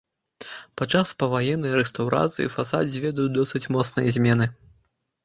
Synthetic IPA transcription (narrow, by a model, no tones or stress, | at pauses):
pat͡ʂaspɐvajɛnːɨjɾɛst̪awɾa̰t̪sɨjḭfasa̰dʲzʲvʲɛd̪ujd̪ɔsɨt͡sʲmɔt̪snɨjɐzʲmʲɛnɨ